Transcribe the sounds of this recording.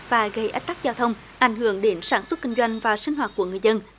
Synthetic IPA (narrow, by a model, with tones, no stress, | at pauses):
vaː˨˩ɣə˧˩jʔa˦˥k̚t̪a˦˥k̚zaː˧wt̪ʰə˧wŋ͡m | ʔa˧˩jŋhɨ˧˩əŋɗe˨˦nsaː˧˩nswə˦˥t̚ki˧ŋ̟zwa˧jŋ̟vaː˨˩sï˧ŋ̟ɦwaː˨˩t̚ku˧˩əŋɨ˨˩əjzə˧n